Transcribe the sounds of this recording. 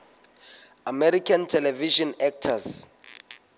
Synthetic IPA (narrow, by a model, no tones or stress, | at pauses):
amɛɾikʰantʰɛlɛviʃɔnɛk̚tʰas